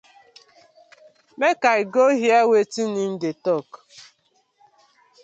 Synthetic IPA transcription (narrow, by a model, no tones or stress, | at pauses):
mekaiɡoɦjawetinin̩detɔk